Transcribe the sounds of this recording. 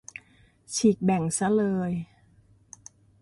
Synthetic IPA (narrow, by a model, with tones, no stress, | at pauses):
t͡ɕʰiː˨˩k̚bɛ˨˩ŋsa˧˥lɤː˧j